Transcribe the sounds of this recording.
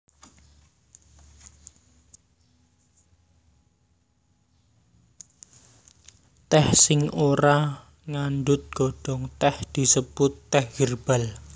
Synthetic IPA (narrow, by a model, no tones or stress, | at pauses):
t̪ɛhsɪŋoɾa | ŋanɖʊt̪̚ɡ̥ɔɖ̥ɔ̤ŋt̪ɛhd̪̥i̤səb̥ʊt̪ːɛhɡ̥irb̥al